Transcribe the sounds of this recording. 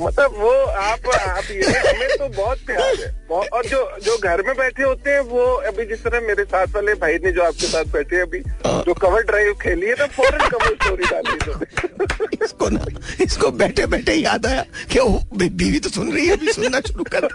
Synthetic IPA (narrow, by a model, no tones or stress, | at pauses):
mɐt̪ləbʋoaːpaːpjeɦɛɐmẽt̪obɔːt̪̚pjaːlɦɛːbɔɔːɾd͡ʒoːd͡ʒoːɡʱɐɾmẽbɛːʈʰeɦoːt̪eɦɛ̃ʋoɐbʱid͡ʒɪst̪əɾaɦɛmeːɾesaːt̪ʰʋaːlebʱaːinẽd͡ʒoːaːp̚kesaːt̪ʰbɛːʈʰeɐbʱiɦã̰ːd͡ʒoːkɐʋəɾɖɾaːɪʋkʰeːliɛt̪ofɔːɾənkɐʋəɾsʈoːɾiɖaːliit̪oe | skona̰ɪskobɛːʈʰebɛːʈʰejaːd̪aːjakeobbiːʋit̪osʊnɾɐɦiɦɛɐbʱisʊnːaʃʊɾukɐɾt̪e